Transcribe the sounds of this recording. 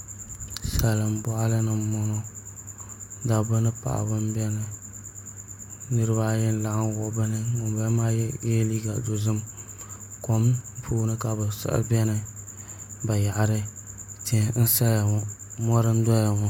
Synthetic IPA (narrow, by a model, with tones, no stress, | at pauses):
sa˨la˨mbɔ˦ʔa˦lɨ˦nɨ˨mɔ˦nɔ˦ | da˨bɨ˦nɨ˦pa̰˨ʔbɨ˦mbɛ˦nɨ˦ | nɨ˦ɾɨ˦βa˦jɛ˦n˦la˨ʔa˦nwɔ˨ʔbɨ˦nɨ˦ŋʊ˨bɛ˦ma˦jɛ˦jɛ˦liː˦ɡa˨do˨zɨ˦m | kɔ˨m˦pʰoː˦nɨ˦ka˨ba˨sɨ̰˦ʔbɛ˦nɨ˦ | ba˨ja˨ʔa˨ɾɨ˦ | ti˦˨n̩˦sa˦ja˨ɔ˨mɔ˦ɾɨ˦n˦dɔ˦ja˨ŋɔ˨